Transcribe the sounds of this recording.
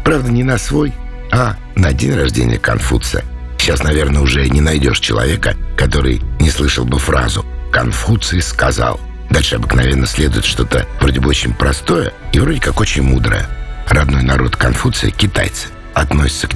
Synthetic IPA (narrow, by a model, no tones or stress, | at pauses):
pɾavd̪ənʲɪnɐsvo̞j | a | nɐdʲenʲrɐʐdʲḛnʲɪ̰jəkɐ̰nfṵt̪sɨ̰jə | ɕːasnɐvʲe̞rnəʊʐɛnʲɪnɐjdʲo̞̰ʂt͡ɕɪlˠɐ̰vʲekə̰kɐt̪o̞ɾɨ̰jnʲɪslˠɨʂəlˠbɨfɾa̰zʊkɐnfut̪sɨɪskɐza̰lˠ | d̪alʲʂɨɐbɨknɐvʲenːəsʲlʲed̪ʊjɪt̪ʂt̪o̞t̪əvɾo̞dʲɪbəɨo̞t͡ɕɪnʲpɾɐst̪o̞jə̰ivɾo̞dʲɪkako̞t͡ɕɪnʲmud̪ɾə̰jə̰rɐd̪no̞jnɐɾo̞̰t̪kɐnfut̪sɨjəkʲɪt̪a̰jt̪sɨ̥ | ɐt̪nosʲɪ̥t̪sə̥kʲ